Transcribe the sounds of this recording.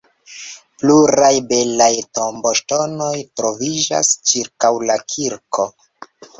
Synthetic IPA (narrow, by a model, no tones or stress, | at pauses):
pluɾajbe̞lajtombo̞ʃto̞no̞jtɾo̞vid͡ʒa̰st͡ʃiɾkawlakʰiɾko̞